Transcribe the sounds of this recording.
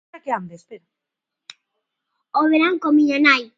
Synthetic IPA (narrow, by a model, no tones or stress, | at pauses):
akeamd̪espeɾa | oβeɾaŋkomiɲanaj